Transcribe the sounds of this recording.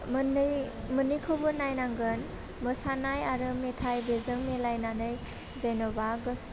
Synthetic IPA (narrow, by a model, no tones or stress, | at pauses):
mn | mɯnijkʰɔbɯnajnaŋɡɯn | mɯsanajaɾɯmetʰajbezɯŋmelajnanɯj | zajnɔbaɡɯs